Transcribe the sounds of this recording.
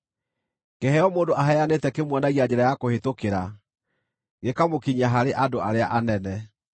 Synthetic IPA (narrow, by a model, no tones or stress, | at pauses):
kɛhɛɔmoːndoʔaɦɛjanetɛkemwɔnaɣiaɲd͡ʑɛɾajakohetokeɾa | ɡekamokiɲaɦaɾeʔadoaɾeaʔanɛnɛ